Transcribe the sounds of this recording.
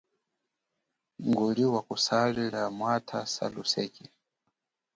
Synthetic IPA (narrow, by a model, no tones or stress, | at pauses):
ŋɡuliwakusalɛɺamwatʰasa̰lusɛki